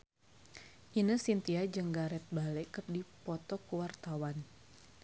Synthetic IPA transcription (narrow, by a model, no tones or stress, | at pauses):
ʔinəsint̪iad͡ʒəŋɡaɾɛt̪̚balɛkərdipɔt̪ɔkuwart̪awan